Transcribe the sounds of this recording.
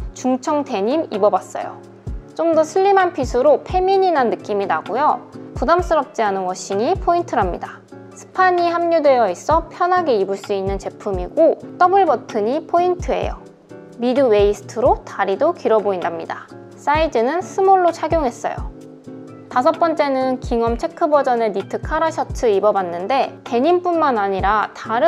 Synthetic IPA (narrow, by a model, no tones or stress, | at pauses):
t͡ɕuŋt͡ɕʰʌŋte̞ɲimibʌbas͈ʌ̰jo̰ | t͡ɕ͈omdʌsʰɯʎːimanpʰisʰuɾopʰe̞miɲinanːɯk͈iminaɡojopudams͈ɯɾʌp̚t͡ɕ͈ianɯnwʌɕ͈ʰiɲipʰointʰɯɾɦamɲida | sʰɯ̥pʰaɲihamɲudwe̞jʌis͈ʌpʰjʌnɦaɡeibɯɭs͈uinːɯnt͡ɕe̞pʰumiɡot͈ʌbɯɭbʌtʰɯɲipʰointʰɯe̞̰jo̰ | midɯwe̞isʰɯ̥tʰɯɾotaɾidokiɾʌboindamɲida | s͈aid͡ʑɯnɯnsʰɯmoɭːot͡ɕʰaɡjoŋɦe̞s͈ʌ̰jo̰ | tas̬ʰʌp͈ʌnt͡ɕ͈e̞nɯnkiŋʌmt͡ɕʰe̞kʰɯbʌd͡ʑʌne̞nitʰɯkʰaɾaɕʰʌtʰɯibʌbanːɯnde̞te̞ɲimp͈unmanaɲiɾataɾɯ